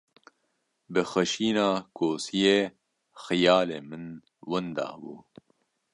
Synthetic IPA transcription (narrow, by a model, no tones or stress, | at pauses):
bɨxɐʃiːnaːkʰoːsijeː | xijɑːleːmɨn | wɐnd̪ɑ̰ːbuː